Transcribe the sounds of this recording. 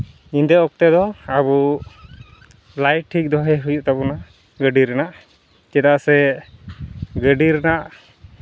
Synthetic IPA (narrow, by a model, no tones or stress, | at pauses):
ind̪ɛɔk̚t̪ɛd̪ɔaβu | lajʈʰːik̚d̪ɔɦɛɦujuʔt̪abɔna | ɡəɖiɾɛnaʔ | t͡ʃɛd̪aʔsɛ | ɡəɖiɾɛnaʔ